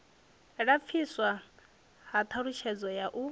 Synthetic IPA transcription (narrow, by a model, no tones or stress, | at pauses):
ɺap̪fʰiswa | hat̪ʰaɺuʃʰɛd͡zɔjaʔu